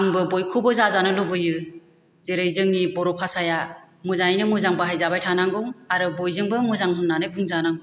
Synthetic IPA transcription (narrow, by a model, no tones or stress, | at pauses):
aŋbɯbojkʰubɯzazanɯlubɯjɯ | zeɾɯjzɯŋnibɔɾɔpʰasaja | muzajnɯmuzaŋbɯɦajzabajtʰanaŋɡɯwaɾɯbojzɯŋbɯmuzaŋɦunːanɯbuŋzanaŋɡɯ